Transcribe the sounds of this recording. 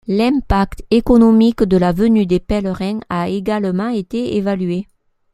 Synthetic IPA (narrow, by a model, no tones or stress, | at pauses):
lɛ̃pakt̪ekɔnɔmikd̪əlavənyd̪epɛləʁɛ̃aeɡaləmɑ̃et̪eevalye